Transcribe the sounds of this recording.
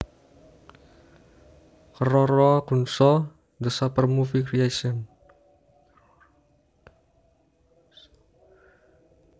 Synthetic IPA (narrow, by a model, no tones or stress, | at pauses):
kərɔɾɔkunsɔ | nd̪əsapərmufikɾiasən